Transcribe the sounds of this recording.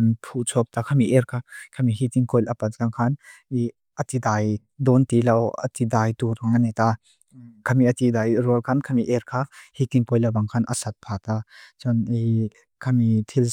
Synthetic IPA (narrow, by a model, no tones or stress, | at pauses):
npʰut͡sʰɔk̚takʰamiʔeɾkʰakʰamiɦit̪iŋkɔjlʔɐpat̚kaŋkʰani | ɐt̪idaj | dɔnt̪ilɐwɐ̰t̪idajtuɾaŋanet̪a | kʰɐmiɐt̪idajɾɔlkʰankʰamiʔeɾkʰahitiŋpɔjlabaŋkʰanʔɐ̰sat̪̚pʰat̪at͡ʃɔni | kʰamit̪ʰil